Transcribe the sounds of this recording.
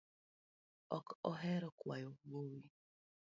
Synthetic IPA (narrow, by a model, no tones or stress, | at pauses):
ɔkɔɦɛɾɔkwajoɡ͡bowi